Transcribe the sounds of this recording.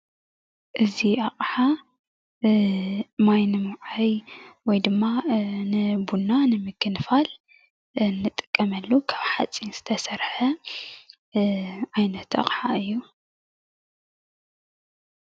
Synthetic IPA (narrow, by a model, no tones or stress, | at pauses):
ʔɨziʔaχʼħa | majnɨmuʕajwɔjd̪ɨmːanɨbunːanɨmɨkʰːɨnfal | nːɨt̪ʼɨ̥kʼːɐmɐlːukʰaβħat͡sʼinz̥ɨ̥t̪ʰɐsɐɾħɐ | ʔajnɐt̪a̰qʼħaɨjːu